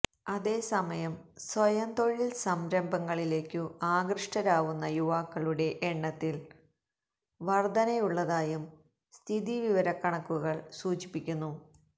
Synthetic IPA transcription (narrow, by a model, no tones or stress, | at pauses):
ɐðe̞ːsɐmɐjɐmsʋɐjɐnt̪o̞ɭːilsɐmɾɐmbɐŋːɐɭile̞ːkʲːɨaːɡrɨʂʈɐɾaːʋunːɐjuʋaːkːɐɭuɽe̞ʔeɳːɐt̪ːil | ʋɐrd̪ɐnɐjuɭːɐðaːjum | st̪ʰiðiʋiʋɐɾɐkːɐɳɐkːuɣɐɭsuːt͡ɕi̥pːikʲːunːu